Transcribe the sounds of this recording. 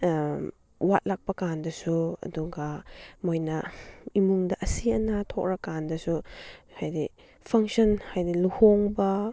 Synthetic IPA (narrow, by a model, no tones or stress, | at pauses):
wat̚lak̚pɐkandɐsuɐ̰duɡɐmojnɐimuŋdɐʔɐsiɐnatʰɔk̚ɾakandɐsuhajdi | pʰɐŋsɔnhajdiluhoŋbɐ